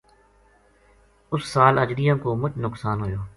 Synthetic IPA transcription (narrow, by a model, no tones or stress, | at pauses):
ʊsːaːləd͡ʒɾijãːkoːmʊt͡ʃnʊksaːnɦoːjoː